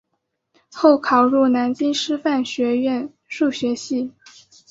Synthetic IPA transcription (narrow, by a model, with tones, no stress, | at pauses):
xo˥˩ʊkʰɑ˨˩ʊɻu˥˩na˧˥nt͡ɕi˥nʂɻ̩˥fa˥˩nɕɥɛ˧˥ɥɛ˥˧n | ʂu˥˩ɕɥɛ˧˥ɕi˥˩